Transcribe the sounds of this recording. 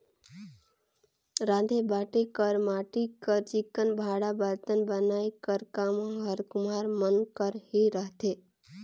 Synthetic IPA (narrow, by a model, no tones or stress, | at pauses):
ɾãd̪ʱebaʈekəɾmaʈikəɾt͡ʃikːənbʱaɽabəɾt̪ənbənaːikəɾkamoɦəɾkʊmaːɾmənkəɾhiɾəɦt̪e